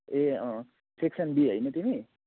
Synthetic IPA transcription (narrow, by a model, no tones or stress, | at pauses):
e | seksʌnbiɦəjnʌt̪imi